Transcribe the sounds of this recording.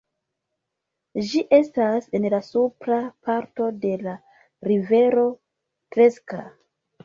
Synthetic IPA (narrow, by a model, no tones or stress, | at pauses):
d͡ʒiʔe̞stase̞nlasupɾapaɾto̞de̞la | ɾive̞ɾo̞ | tɾe̞ska̰